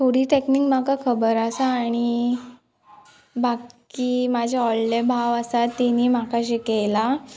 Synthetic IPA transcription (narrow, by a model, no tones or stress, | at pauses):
t̪ʰoɽiːt̪eknikm̤akakʰəbəɾasaːɽ̃i | bakkiːmad͡ʑʱaɔllebʱaʋəsat̪ːiniːmakaɕekela